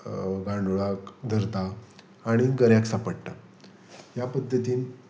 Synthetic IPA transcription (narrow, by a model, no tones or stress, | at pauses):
ɡãɳɖuɭakd̪ʱəɾt̪aː | ɽ̃iɡəɾjaksapəɽt̪a | ɦjapəd̪ʱːət̪iːn